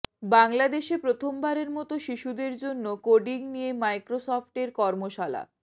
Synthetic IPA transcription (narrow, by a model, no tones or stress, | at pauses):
baŋlad̪eʃepɾot̪ʰombaɾeɾmɔt̪oʃiʃud̪eɾd͡ʑonːokoɖiŋnijemajkɾosɔfʈeɾkɔɾmoʃala̰